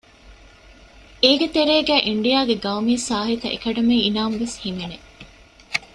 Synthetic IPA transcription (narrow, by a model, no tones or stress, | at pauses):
eːɡet̪eɾeːɡæːʔiɳɖijaːɡeɡɐumiɐsaːɦit̪ɐ̰ʔḛkɐɖɐmeinaːmʋeshimene